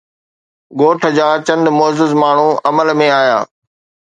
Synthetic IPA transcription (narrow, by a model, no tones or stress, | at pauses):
ɡoːʈ̆ʰd͡ʑaːt͡ɕɐ̃nd̪mʊːzɪzmaːɳ̤ũɐməlmẽaːja̰ː